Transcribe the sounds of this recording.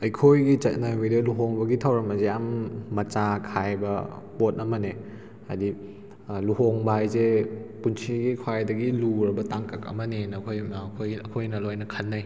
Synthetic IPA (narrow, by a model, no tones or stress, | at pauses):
ɐjkʰojɡit͡ʃɐt̚najwidɐluɦoŋbɐɡitʰɐwɾɐmɐzejamːɐt͡ʃakʰajbɐ | pot̚ɐmɐne | hadi | luɦoŋbɐɦajzepunsʰiɡikʰwajdɐɡiluɾɐbɐtaŋkɐkɐ̰mɐnenɐkʰojkʰojɐkʰojnɐlojnɐkʰɐnːaj